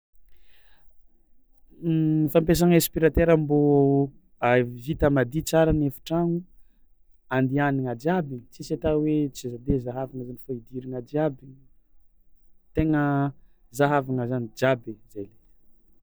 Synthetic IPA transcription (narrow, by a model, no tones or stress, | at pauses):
ifampes̬aŋespiɾat̪eɾamboa | avit̪əmad̪it͡saɾanefu̥ʈ͡ʂaŋu | and̪ianiŋad͡ʒjabit͡sisat̪awet͡sizad̪ezaɦavaŋəzanifaid̪iɾiŋad͡ʒ̪iabi | t̪eŋə | zaɦavaŋəzanid͡ʒabez̥ajle̥